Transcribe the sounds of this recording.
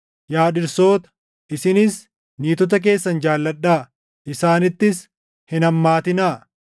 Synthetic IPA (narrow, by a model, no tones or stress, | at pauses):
jaːᶑɪɾso̞ːt̪ɐ̥ | ɪsɪnɪs | niːt̪ɔt̪̬ɐk̬e̞ːsːɐnd͡ʒaːlːɐᶑːaː | ʔɪsaːnɪt̪ːɪs | hɪnɐmːaːt̪ɪnaː